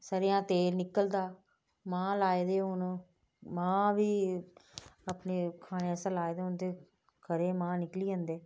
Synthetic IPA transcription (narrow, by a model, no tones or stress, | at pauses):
səɾejãːt̪eːɾnɪkəld̪aː | mãːlaːed̪eːʊnː | mãːʋiː | əpneːkʰaːɽeːɛsãːlaːed̪eːʊnt̪eː | kəɾeːmãːnɪkliːə̃ːnd̪eː